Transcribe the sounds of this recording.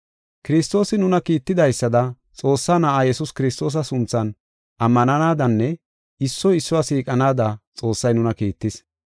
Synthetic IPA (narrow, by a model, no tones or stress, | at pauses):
kɪɾɪst̪o̞ːsɪnʊnɐkiːt̪ːɪd̪ɐjsːɐd̪ɐ | t͡sʼo̞ːsːanɐʔaːjɛsʊskɪɾɪst̪o̞ːs̬ɐsʊnt͡sːɐn | ʔɐmːɐnɐnaːd̪ɐnːɛ | ɪsːɔɪsːɔwasiːkʼɐnaːd̪ɐt͡sʼo̞ːsːɐjnʊnɐkiːt̪ːɪs